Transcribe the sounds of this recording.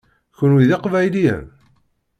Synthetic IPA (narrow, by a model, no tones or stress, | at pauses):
çənwiðiqvæjlijæ̰n